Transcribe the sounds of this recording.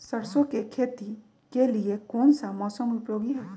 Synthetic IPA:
sɐɾsõkekʰeːt̪i | keliekɔːnsamɔːsəmʊpjoːɡiɦɛː

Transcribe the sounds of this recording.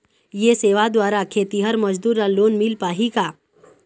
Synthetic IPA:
jeseːʋad̪waːɾakʰeːt̪iɦəɾməd͡ʒd̪uːɾaloːnmɪlpaːɦikaː

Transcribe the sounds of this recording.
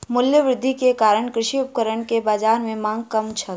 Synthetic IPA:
mʊljəʋɾɪd̪ʱːikekaːɾəɳkɾɪʃiʊp̚kəɾəɳkebaːd͡ʒaːɾmẽmãːŋɡkɐmt͡ʃʰə

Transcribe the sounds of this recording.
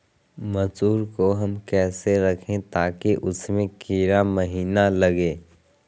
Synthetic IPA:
mɐsuːɾkoɦɐmkɛːseɾɐkʰẽt̪aːkiʔʊsmẽkiːɾamɐɦiːnalɐɡeː

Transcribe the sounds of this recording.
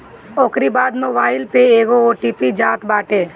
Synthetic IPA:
oːkɾibaːd̪moːbaːɪlpeeːɡooːʈiːpid͡ʒaːt̪baːʈeː

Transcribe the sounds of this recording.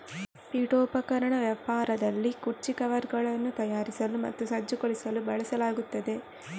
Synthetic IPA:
piːʈoːpɐkɐɾɐɳɐʋjɐpaːɾɐd̪ɐlːikuɾt͡ʃikɐʋɐɾɡɐɭɐnːut̪ɐjaːɾisɐlumɐ̰t̪ːusɐd͡ʒːukoɭisɐlubɐɭɐsɐlaːɡut̪ːɐd̪e̞

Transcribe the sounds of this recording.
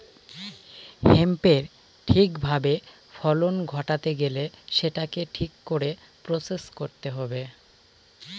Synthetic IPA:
hempeɾ | ʈʰikbʱabe | fʰɔlonɡʱɔʈat̪eɡeleʃeʈakeʈʰikːoɾe | pɾoseskoɾt̪eɦɔbe

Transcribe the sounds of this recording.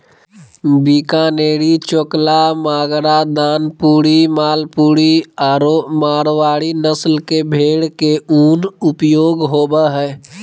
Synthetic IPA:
bikaːneːɾit͡ʃoklamaːɡɾad̪aːnpuːɽimaːlpuːɽiaːɾomaːɾʋaːɽinəslkebʱeːɽkeuːnʊpjoːɡɦoːbaɦɛː

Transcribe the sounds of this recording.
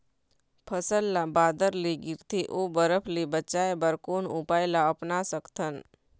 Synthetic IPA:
pʰəsəlːabaːd̪əɾleɡɪɾt̪ʰeʔoːbəɾəpʰlebət͡ʃaːebəɾkoːnʊpaːjlaəpnasəkt̪ʰən

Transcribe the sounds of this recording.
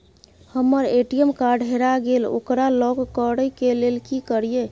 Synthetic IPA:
həmːəɾeʈijəmkaɾɖɦeɾaɡelo̰kɾalɔɡəɽəjkelelkikəɾije

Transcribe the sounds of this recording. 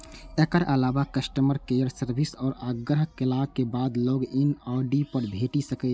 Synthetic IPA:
ekəɾʔəlaːbakəsʈəməɾkejəɾsəɾbʱisɔːɾaɡɾəɦəkːɪlaːkebaːd̪loːɡɪnaːɖipəɾbʱeːʈisəkə

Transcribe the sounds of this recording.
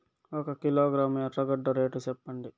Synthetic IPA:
ɔkɐkiloːɡɾaːmɐɐʈɾɐɡɐɖːɐɾeːʈut͡ʃɛpːɐɳɖi

